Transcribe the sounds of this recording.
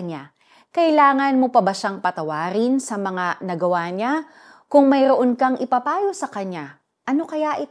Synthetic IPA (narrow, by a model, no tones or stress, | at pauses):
ɲa | kɐɪlaːŋɐnmopɐbɐʃaŋpɐt̪ɐwaːɾɪnsɐmɐŋanɐɡɐwaɲa | kʊŋmɐjɾoʔonkɐŋʔɪpɐpaːjo̞sɐkɐɲa | ʔɐno̞kɐjaʔɪ